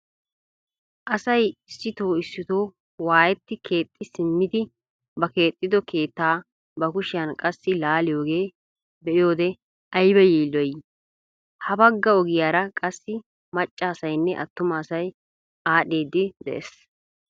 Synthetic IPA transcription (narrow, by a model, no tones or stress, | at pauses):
ʔɐsɐjɪsːɪt̪o̞ːɪsːɪt̪o̞ː | waːjɛt̪ːɪkʰe̞ːt̪ʼːɪsɪmːɪd̪ɪ | bɐke̞ːt̪ʼːɪd̪ɔkʰe̞ːt̪ːaː | bɐkʊʃɪjɐnkʼɐsːɪlaːlɪjo̞ːɡe̞ː | bɛʔɪjo̞ːd̪ɛ | ɐjbɛjiːlːɔj | hɐbɐɡːɐɔɡɪjaːɾɐkʼɐsːɪ | mɐt͡ʃʼːaːsɐjnːɛʔɐ̰t̪ːʊmɐːsɐj | aːɗeːd̪ːɪd̪ɛ̰ʔḛs